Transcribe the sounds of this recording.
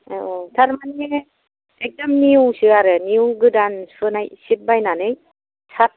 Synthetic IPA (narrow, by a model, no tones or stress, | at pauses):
otʰaɾmane | ek̚dɔmniuŋsɯaɾɯniuŋɡɯdansɯnajsip̚bajnanɯj | sʰa